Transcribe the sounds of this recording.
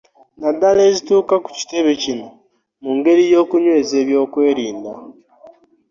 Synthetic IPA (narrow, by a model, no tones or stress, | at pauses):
nadːale̞ːzituːkaku̥ci̥te̞βe̞cino | muŋɡe̞ɾijo̞ːkuɲwe̞ːze̞ːβjo̞ːkwe̞ːɾiːnda